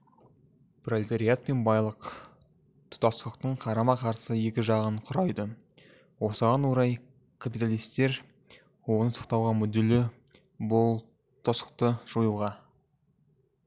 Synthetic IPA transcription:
prolit̪oɾijat̪̚pe̞nbɑjlˠəq | t̪ʰʊ̥t̪ɑslˠəqt̪əɴqʰɑɾɑmɑqʰɑɾsəje̞kʲɪʒɑʁəɴqʰʊɾɑjd̪ə | wo̞səʁɑnwoɾɑj | kʰapijt̪alˠijst̪e̞ɾ | wo̞nəsɑ̥qt̪ɑwʁɑmʏd̪elɪ | bʊlˠ | t̪ʰosə̥qt̪əʒ̥ujuʁɑ

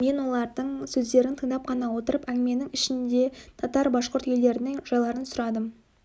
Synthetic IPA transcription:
me̞nwo̞lˠɑɾd̪əɴsɵzd̪e̞ɾɪnt̪ʰəɴd̪ɑp̚qʰɑnɑwo̞t̪əɾəpæŋɡʲme̞nɪŋɪʃɪnd̪e̞t̪ʰɑt̪ɑɾbɑʃqʊɾt̪jele̞ɾɪnɪŋʒ̥ɑjlˠɑɾənsʊɾɑd̪əm

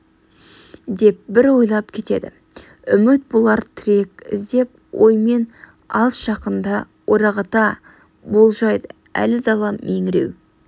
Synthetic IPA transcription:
d̪e̞p̚bɪɾwo̞jlˠɑpkʲʰe̞t̪e̞̰d̪ɪ | ʏmɪt̪̚bolˠɑɾt̪ʰɪɾe̞kʲɪ̰zd̪e̞p̚ | wʔo̞̰jme̞n | ɑlˠsʒɑqənd̪ɑ | woɾɑʁɑt̪ɑ | bo̞lˠʒɑjd̪ə | æ̰lɪd̪ɑlˠɑme̞ŋɪɾe̞̰w

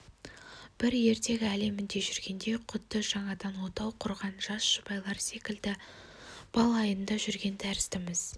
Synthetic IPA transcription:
b̥ɪɾje̞ɾt̪e̞ɡʲɪæle̞mɪnd̪e̞ʒʏɾɡʲe̞nd̪eqʰʊt̪ːəʒ̥ɑɴɑd̪ɑnwo̞t̪ɑwqʰʊɾʁɑnʒɑsʃʊbɑjlˠɑɾse̞kʲɪld̪ɪ | b̥ɑlˠɑjənd̪ɑʒʏɾɡʲe̞nd̪æɾɪst̪ɪmɪz̥

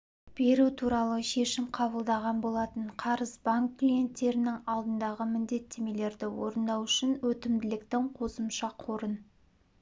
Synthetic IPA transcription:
b̥e̞ɾut̪ʰuɾɑlˠəʃe̞ʃɪmqʰɑbəlˠd̪ɑʁɑnbo̞lˠɑt̪əɴqʰɑɾəzbaŋkːlije̞nt̪ːe̞ɾɪnɪŋɑlˠd̪ənd̪ɑʁəmɪnd̪e̞t̪ːe̞me̞le̞ɾd̪ɪwo̞̰ɾənd̪ɑwʏʃɪnwɵt̪ɪmd̪ɪlɪkt̪ɪŋqʰo̞səmʃɑqʰo̞ɾən

